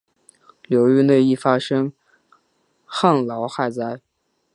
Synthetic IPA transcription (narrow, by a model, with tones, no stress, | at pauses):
ljo˧˥ʊy˥˧ne˥˧ɪi˥˩fa˥ʂɤ˥ŋ | xaɑ˥˩ŋlɑ˧˥ʊxa˥˧ɪt͡sa˥˩ɪ